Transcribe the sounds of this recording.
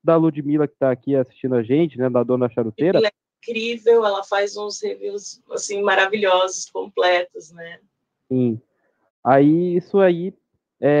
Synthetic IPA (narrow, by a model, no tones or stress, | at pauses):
d̪ɐlud͡ʒɪmilɐkɪ̥t̪aːkiasi̥ʃt͡ʃĩd̪ʊaʒẽnt͡ʃɪnɛd̪ɐd̪õnɐɐʃaɾut̪eɾɐɛĩkɾivewɛlɐfazũsheviwsa̰sĩmaɾaviʎɔzʊskõplɛt̪ʊznɛ | sĩ | aiisʊai | ɛ